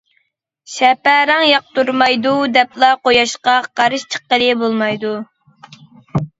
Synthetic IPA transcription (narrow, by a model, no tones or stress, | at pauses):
ʃɛpæɾɑŋjɑq̚t̪uɾmɑjd̪ud̪ɛplˠɑqojɑʃqɑqʰɑɾɨʃt͡ʃʰə̥qːəlɨbolˠmɑjd̪u